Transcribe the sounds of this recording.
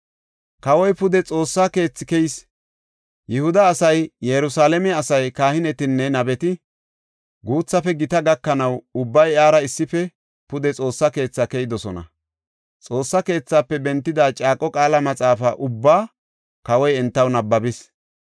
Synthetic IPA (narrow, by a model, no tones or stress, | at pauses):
kɐwɔjpʊd̪ɛt͡sʼo̞ːsːake̞ːt͡sːɪ̥kɛjɪs | jɛhʊd̪ɐːsɐjjɛɾʊsaːlɛmɛɐsɐjkaːhɪnɛt̪ɪnːɛnɐbɛt̪ɪ | ɡuːt͡sːɐfɛɡɪt̪ɐɡɐkːɐnɐwʊbːɐjaːɾɐɪsːɪfɛ | pʊd̪ɛt͡sʼo̞ːsːɐke̞ːt͡sːakɛjɪd̪ɔsɔnɐ̰ | t͡sʼo̞ːsːɐke̞ːt͡sːaːpːɛbɛnt̪ːɪd̪aːt͡ʃʼaːkʼɔkʼaːlɐmɐt͡sʼaːfɐʔʊbːaː | kɐwɔjɛnt̪ːɐwnɐbːɐbɪs